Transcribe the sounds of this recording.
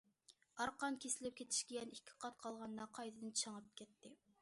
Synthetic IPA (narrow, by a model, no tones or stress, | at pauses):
ɑɾqɑnkʲʰesɪlɪp̚kʲet̪ʰi̥ʃkʲeɡʲɛnikʲʰːɪ̥qʰɑt̪̚qʰɑlˠʁɑnːɑqʰɑjt̪ʰɨd̪ɨnt͡ʃʰɑŋɑp̚kʲʰɛt̪ːɪ